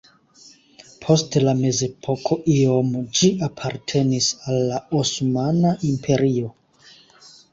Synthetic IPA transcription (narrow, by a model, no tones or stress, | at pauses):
pʰo̞stlame̞ze̞pʰo̞kʰo̞ʔiomod͡ʒiapʰaɾtʰe̞nisalːaosmanaʔimpʰe̞ɾio̞